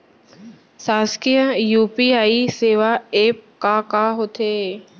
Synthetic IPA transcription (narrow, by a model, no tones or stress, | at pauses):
saːskijəjuːpiaːiseːʋaeːp̚kakaɦoːt̪ʰe